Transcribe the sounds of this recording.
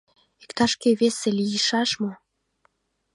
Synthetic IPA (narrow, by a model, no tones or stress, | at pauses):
i̥kt̪ɑʃkeβeselijəʃɑʃmo